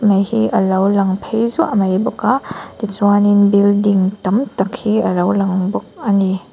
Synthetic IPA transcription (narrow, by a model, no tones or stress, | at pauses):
majhiɐlɐwlɐŋpʰejzuʔɐmajbukadit͡ʃwaninbildiŋtɐmtɐkʰhiɐɾawlɐŋbuk̚ɐni